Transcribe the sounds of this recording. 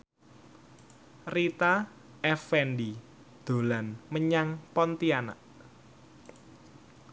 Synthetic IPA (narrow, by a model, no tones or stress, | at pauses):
rit̪a | ʔɛfɛndi | d̪̥o̤lanməɲaŋpɔnt̪iana̰ʔ